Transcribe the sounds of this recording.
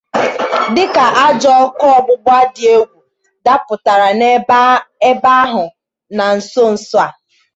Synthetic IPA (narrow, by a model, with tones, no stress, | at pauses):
dɪ˦ka˨ʔa˦d͡ʒɔ˦ɔ˦kɔ˦ɔ˨bʊ˦bʷa˦dɪ˨e˦ɡʷu˨ | da˦pʊ˨ta˨ɾa˨ne˦e˦ba˦ɦʊ˨ | na˨n̩˨so˦n̩˨sʊ˦a˨